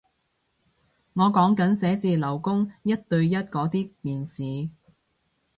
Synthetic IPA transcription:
ŋɔː˨˧kɔː˨˥ŋkɐ˨˥nsɛː˨˥t͡siː˧lɐ˨˩wkʊ˥ŋjɐ˥t̚t̪ɵ˧ɥjɐ˥t̚kɔː˨˥t̪iː˥miː˨nsiː˨˧

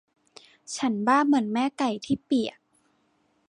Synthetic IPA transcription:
t͡ɕʰa˦˥nbaː˥˩mɯ˩˦ənmɛː˦˥ka˨˩jt̪ʰiː˥˩pi˨˩ək̚

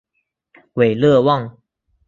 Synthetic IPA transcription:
we˨˩lɤ˥˧wɑ˥˨ŋ

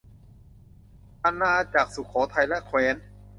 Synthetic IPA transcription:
ʔa˧˨nːaː˧ʔa˧t͡ɕaː˨˩k̚su˨˩kʰːɔː˩˦t̪ʰa˧jlɛ˦˥ʔkʰweː˧˥n

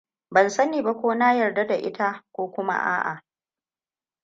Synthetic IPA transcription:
bɐ˨nsɐ˦niː˨ba˦kʷoː˦naː˦jɐ˨rda˦da˨ʔɪ̰˦ta˦kʷoː˦kʷʊ˦ma̰˦ʔa̰ː˦ʔa̰˨

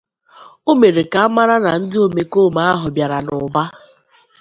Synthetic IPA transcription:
o˦me˨ɾe˨ka˨a˦ma˦ɾa˦na˨n̩˦dɪ˦o˦me˨ko˦˨ma˦a˦ɦʊ˨bja˨ɾa˨nʊ˨ba˦

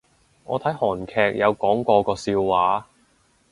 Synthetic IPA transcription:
ŋɔ̰ː˨˧t̪ʰɐ˨˥jhɔː˨˩nkʰɛː˧k̚jɐ˨˧wkɔː˨˥ŋkʷɔː˧kɔː˧siː˧wːaː˨˧˥

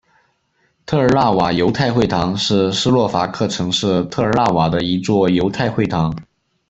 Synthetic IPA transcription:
t̪ʰɤ˥˩ə˞˧˥la˥˩wa˨˩jo˧˥ʊt̪ʰa˥˧ɪxwe˥˩ɪt̪ʰɑ˧˥ŋʂɻ̩˥˩ʂɻ̩˥lwɔ˥˩fa˧˥kʰɤ˥˩ʈ͡ʂʰɤ˧˥ŋʂɻ̩˥˧t̪ʰɤ˥˩ə˞˧˥la˥˩wa˨˩d̪ə˦i˧˥t͡swɔ˥˩jo˧˥ʊt̪ʰa˥˧ɪxwe˥˩ɪt̪ʰɑ˧˥ŋ

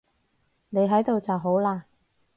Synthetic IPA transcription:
ne˨˧jɦɐ˨˥jt̪o˨wt͡sɐ˨wɦo˨˥wlaː˧

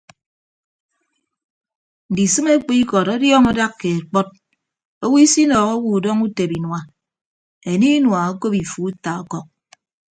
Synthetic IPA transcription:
n̩˨di˨sɨ˦me˦k͡pi˦kɔ˨ɾɔ˦djɔː˦ŋɔ˦da˦kːe˨e˨k͡pɔ˦t̚ | o˦wi˦si˦nɔː˨ɣo˦wu˨dɔ˦ŋu˦te˨bi˨nwa˨ | e˨ni˦nwa˨a˦ko˦pi˨fu˨˦ta˨ɔ˦kɔ˨k̚

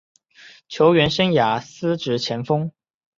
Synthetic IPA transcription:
t͡ɕʰjo˧˥ʊɥɛ˧˥nʂə˥ŋja˨˩sɹ̩˥ʈ͡ʂɻ̩˧˥t͡ɕʰjɛ˧˥nfɤ˥ŋ

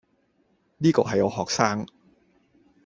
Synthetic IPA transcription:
niː˥ko̰˨˩ɦɐ˨˩jʔo˨˧wɦɔː˨˩k̚saː˥˩ŋ

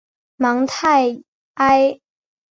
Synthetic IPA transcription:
mɑ˧˥ŋt̪ʰa˥˩ɪ | ʔa˥ɪ

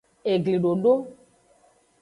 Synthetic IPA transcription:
e˨ɡli˨ɖo˨ɖo˦

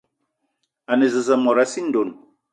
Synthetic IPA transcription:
a˨ne˨zə˨sə˨mɔ˨ɾa˦si˦n̩˦do˨n

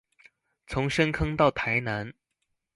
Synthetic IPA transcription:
t͡sʰʊ˧˥ŋʂə˥nkʰɤ˥ŋt̪ɑ˥˩ʊt̪ʰa˧˥ɪna˧˥n

